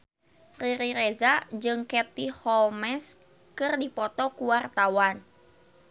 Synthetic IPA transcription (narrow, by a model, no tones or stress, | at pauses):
riɾiɾɛzad͡ʒɨŋkɛt̪ihɔlmɛs | kɨrdipɔt̪ɔkuwart̪awan